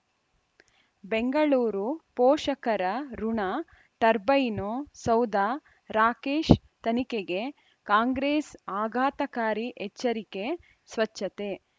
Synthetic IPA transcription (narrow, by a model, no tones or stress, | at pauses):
beŋɡɐɭuːɾupoːʃɐkɐɾɐɾuɳaː | ʈɐɾbɐjnoːsɐwd̪aː | ɾaːkeːʃ | t̪ɐnikeɡe | kaːŋɡɾeːsaːɡʱaːt̪ɐkaːɾiʔɛt͡ʃːɐɾike̞ | sʋɐt͡ʃːɐt̪e̞